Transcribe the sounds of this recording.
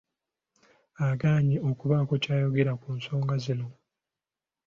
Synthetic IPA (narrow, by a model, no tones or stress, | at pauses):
aɡaːɲio̞kuβakocaːjo̞ɡe̞ɾakuːnso̞ːŋɡazilo